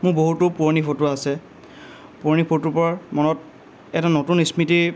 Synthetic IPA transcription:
mʊkboɦutʊpuɹnipʰotʊasɛ | puɹnipʰotːupɔmɔnɔt̚ | ɛtanotunismiti

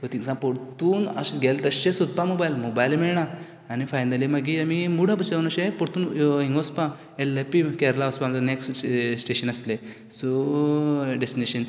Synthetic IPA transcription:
sot̪iŋsãpoɽt̪uːnə̰ɕɡʱelt̪əɕẽsud̪̚pãmobajlmobajlmiɭɳaː | nifajnəlimaɡiamimuɽ̤apəseunəɕepoɽt̪uːnɦĩŋɡospã | elepikeɾlaospãŋəneksʈsʈeɕənəst̪le | so | ɖesʈineɕən

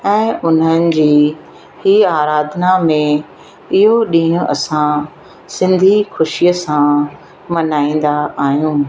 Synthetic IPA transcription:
ɛ̃ːʊn̤ənɪ̆d͡ʑiː | hiaːɾaːd̪ʱnamẽ | ɪɦoɗĩɦʊ̃ʔɐsã | sɪ̃nd̪ʱixʊʃijəsã | mɐnaːĩːnd̪aaːɦijũː

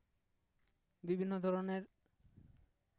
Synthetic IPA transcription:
bibʱinːod̪ʱɔɾoneɾ

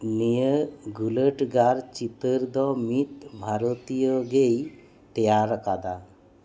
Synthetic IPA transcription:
nijəɡuləʈɡaɾt͡ʃit̪əɾd̪ɔmit̪bʱaɾot̪ijoɡej | t̪ɛjaɾəkad̪a

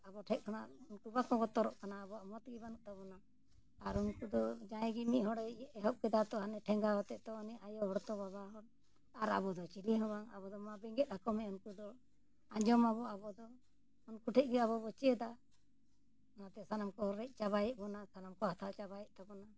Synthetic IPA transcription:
abɔʈʰɛʔ̚kʰana̰unkubakɔɡɔt̪ɔɾɔʔkanaːbɔamɔt̪ɡɛbanuʔt̪ɔbɔna | aɾunkud̪ɔd͡ʒãɛ̃ɡimiʔɦɔɽɛɛɦɔʔ̚kɛd̪at̪ɔɦanɛʈʰɛŋɡaɦɔt̪ɛʔt̪ɔːnɛʔajɔɦɔɽt̪ɔbabaɦɔɽ | aɾa̰bɔd̪ɔt͡ʃiliɦɔ̃baŋa̰bɔd̪ɔmabɛŋɡɛt̪̚akɔmɛunkud̪ɔ | ãd͡ʒɔmabɔabɔd̪ɔ | unkuʈʰɛʔ̚ɡɛaβɔbɔt͡ʃiɛd̪a | nat̪ɛsanamkɔɾɛc̚ˀt͡ʃaβajɛʔ̚bɔnasanamkɔhat̪ʰat͡ʃabajɛʔ̚t̪abɔna

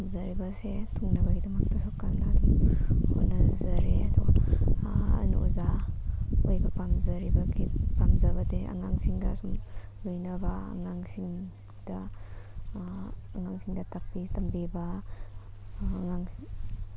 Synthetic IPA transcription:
pamzaɾibasetʰuŋnabaɡidɐmak̚tasɔkːandaːdumhonazaɾeadɔ | nṵza | ojbapamzaɾibaɡipamzabadeʔa̰ŋaŋsiŋdasum | lojnaba̰ːŋaŋsiŋ | da | aŋaŋsiŋdatapːitambiba | ŋaŋ

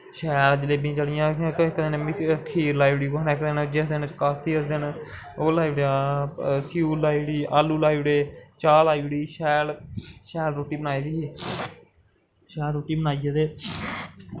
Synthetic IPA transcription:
ʃɛːld͡ʒəleːbĩːt͡ʃəɽɪjãːkɪkːd̪ɪnmkʰːiːɾlaːiʋɽiːkonːkd̪ɪnd͡ʒɪsd̪ɪnt͡ʃkast̪ʰiːəsd̪ɪn | oːlaːiʋɽãːsiːuːlaːiɽiːʔaːlːuːlaːiʋɽeːt͡ʃaːlaːiʋɽiːʃɛːlʃɛːlɾoːʈːiːbənaːiːd̪iːiː | ʃɛːlɾoːʈːiːbənaːijaːd̪eː

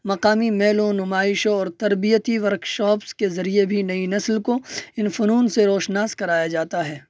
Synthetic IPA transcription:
mɐqaːmimɛːlõnʊmaːɪʃõɔːɾt̪ɐɾbijət̪iʋɐɾkʃɔːpskezɐɾiebʱinɐinɐslkoɪnfʊnuːnseɾoːʃnaːskɐɾaːjad͡ʒaːt̪aɦɛː

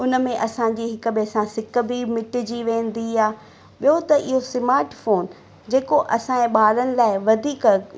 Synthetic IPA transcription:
ʊnəmẽʔɐsãːd͡ʑiːɦɪkəbɪsãsɪk̆bʱimɪʈɪ̆d͡ʑiːʋẽːn̆d̪iaː | ɓijɦot̪ɐʔɪɦosɪmaːɾʈfoːn | d͡ʑeːkoʔɐsãːẽɓaːɾənɪ̆laːɪʋɐd̪ʱiːk

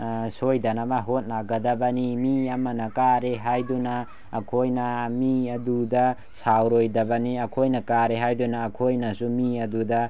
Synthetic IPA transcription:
sojdɐnabaɦot̚naɡɐdɐbɐnimiɐmɐnɐkaɾeɦajdunɐː | kʰojnɐmiɐdudɐ | sawɾojdɐbɐniɐkʰojnɐkaɾeɦajdunɐːkʰojnɐsumiɐdudɐ

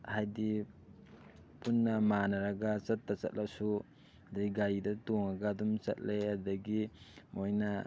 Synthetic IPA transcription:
hajdi | punːɐmanɐɾɐɡɐt͡ʃɐtːat͡ʃɐ̰t̚lʔak̚su | diiɡajdɐtoŋaɡadumt͡ʃɐ̰t̚leaɾdɐɡimojnɐ

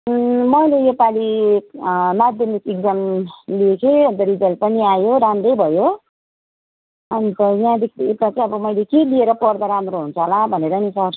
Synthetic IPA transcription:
mʌjlejepali | mad̪jʌmikek̚d͡zʌmliekʰeʌnt̪ʌɾid͡zʌlpʌniajoɾamɾʌjbʱʌjo | ʌnit̪ʌjãd̪ek̪ʰet̪at͡sʌĩʌbʌmʌjlekelieɾʌpʌrd̪aɾamɾoɦunt͡sʰʌlãbʱʌneɾʌnisʰʌr

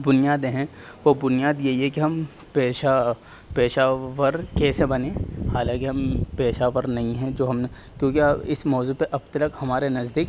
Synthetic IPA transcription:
bʊnijaːd̪ẽɦɛ̃ʋobʊnijaːd̪jeiɦɛkiɦɐm | peːʃa | peːʃaːʋəɾkɛːsebɐnẽːhaːlãːkiɦɐmpeːʃaːʋəɾnɐɦĩɦɛ̃d͡ʒoːɦɐmnekjõːkiɪsmɔːzupeʔɐb̚t̪ɐləkhɐmaːɾenɐzd̪iːk̚

